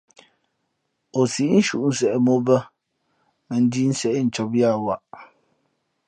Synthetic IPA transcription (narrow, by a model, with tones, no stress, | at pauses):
o˨si˨˦n̩˦ʃu˨ʔn̩˨˦sɛ˨ʔɛ˨mo˦bə˦ | a˨n̩˦di˦n̩˦sɛ˨˦n̩˨t͡ʃɔ˨bi˦a˦˨wa˨